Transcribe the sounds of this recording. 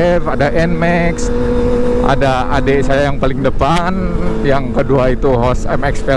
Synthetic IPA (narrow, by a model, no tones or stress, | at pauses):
ɛfadaʔɛnmɛks | a̰daa̰desajajaŋpalɪŋdəpanjaŋkəduait̪uɦɔsamɛkspɛ